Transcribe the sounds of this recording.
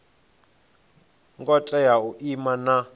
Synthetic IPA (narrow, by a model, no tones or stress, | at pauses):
ŋkɔt͡ɬʼɛjauʔimana